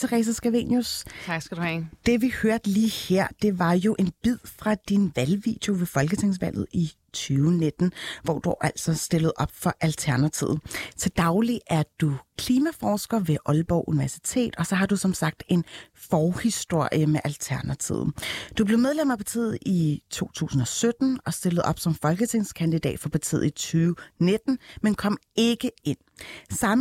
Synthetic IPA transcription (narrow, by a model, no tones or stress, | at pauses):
t͡sʰeʁɛ̰ːs̬æsɡ̥æʋe̝̰njust͡sʰsdud̥e̝ʋihøɐd̥liːheɐ̰d̥e̝ʋɑ̈jo̝ʔe̝nb̥ið̰ˠfʁɑ̈d̥inʋælʋḭːd̥jo̝ʋe̝fɒ̽lɡ̥ət͡sʰe̝ŋ̰sʋæl̰ð̞̩ˠi | t͡sʰyːʊned̥n̩ʋɒ̰d̥uʔæl̰sɒ̽sd̥e̝ləð̩ˠɒ̽b̥fɒ̽ʔælt͡sʰæɐnæt͡sʰið̩ˠt͡sʰe̝ld̥ɑ̈ʊliʔæɐd̥ukʰliːmæfɒːsɡ̥ɐʋe̝ʔɒ̽lb̥ɒʊʔuniʋæɐsi̥t͡sʰe̝̰ːd̥ɒsɒ̽ɦɑ̈d̥usɒ̽msɑ̈ɡ̥̚d̥e̝nfɒːhisd̥o̝ɐ̰jəmeʔælt͡sʰæɐnæt͡sʰḭð̰ˠd̥ub̥le̝ʊmeð̞ˠlem̰æpʰɑ̈t͡sʰḭːð̩ˠit͡sʰo̝̰ːt͡sʰṵːsn̩ɒ̽sød̥n̩ɒ̽sd̥e̝ləð̞̩ˠɒ̽b̥sɒ̽mfɒ̽lɡ̥ət͡sʰe̝ŋ̰skʰænd̥id̥ɛ̰ːd̥fɒ̽pʰɑ̈t͡sʰḭːð̩ˠit͡sʰyːʊne̝d̥n̩menkʰɒ̽m̰e̝ɡ̥əe̝n̰sɑ̈m